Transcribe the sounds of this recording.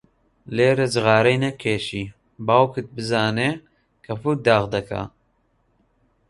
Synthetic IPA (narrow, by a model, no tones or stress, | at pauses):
leːɾɐd͡ʒɨɣaːɾɛjnɛkʰeːʃiː | baːwkɨt̪̚bɨzaːne | kʰɐfuɾ̚d̪aːɣd̪ɐkʰa̰